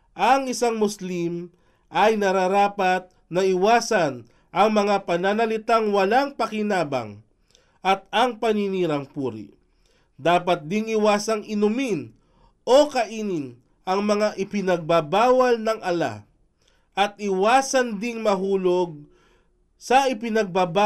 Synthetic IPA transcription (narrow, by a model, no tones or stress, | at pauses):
ʔɐŋɪsaŋmʊslim | ʔɐjnɐɾaɾaːpɐt̪̚nɐɪwaːsɐn | ʔɐŋmɐŋapɐnanɐlɪt̪aŋwɐlaŋpɐkɪnaːbɐ̰ŋ | ʔɐt̪̚ɐŋpɐniniːɾɐŋpuːɾḭ | d̪aːpɐt̪̚d̪ɪŋɪwaːsɐŋɪnʊmin | ʔo̞kɐʔiːnɪn | ʔɐŋmɐŋaʔɪpɪnɐɡ̚babaːwɐlnɐŋʔɐla̰ | ʔɐt̪̚ʔɪwaːsɐnd̪ɪŋmɐɦuːloɡ̚ | sɐʔɪpɪnɐɡ̚baba